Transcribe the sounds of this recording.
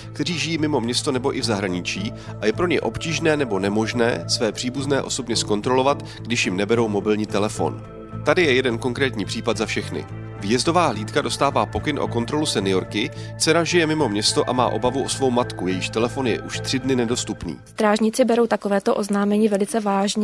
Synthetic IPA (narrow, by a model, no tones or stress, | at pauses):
kkt̪ɛriːʒɪjiːmɪmo̞mɲɛst̪o̞nɛbo̞ʔɪvzaɦɾaɲɪt͡ʃiː | ʔajɛpɾo̞ɲɛjʔo̞pciːʒnɛːnɛbo̞nɛmo̞ʒnɛ̰ːsvɛːpr̥iːbuznɛːʔo̞so̞bɲɛsko̞nt̪ɾo̞lo̞vat̪ | ɡdɪʃjɪmnɛbɛɾo̞wmo̞bɪlɲiːt̪ɛlɛfo̞̰n | t̪adɪjɛjɛdɛnko̞ŋkɾɛːt̪ɲiːpr̥iːpat̪zafʃɛxnɪ̰ | vɪjɛzdo̞vaːɦliːt̪kado̞st̪aːvaːpo̞kɪnʔo̞̰ko̞nt̪ɾo̞lusɛnɪjo̞ɾkɪ | t͡sɛnaʒɪjɛmɪmo̞mɲɛst̪o̞ʔa̰ma̰ːʔo̞bavuʔo̞svo̞wmat̪kujɛjɪʃt̪ɛlɛfo̞njɛ̰ʔuʃt̪r̥ɪdnɪnɛdo̞st̪upnḭːst̪ɾaːʒɲɪt͡sɪbɛɾowt̪akovɛːt̪oʔoznaːmɛɲiːvɛlɪt͡sɛvaːʒɲɛ